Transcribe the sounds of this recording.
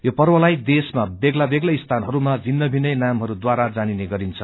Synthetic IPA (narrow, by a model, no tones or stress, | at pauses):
jopʌrwʌlajd̪esmabeɡlabeɡlʌist̪ʰanɦʌɾumad͡zʱinːʌbʱinʌjnamɦʌɾud̪waɾad͡zanineɡʌɾint͡sʰʌ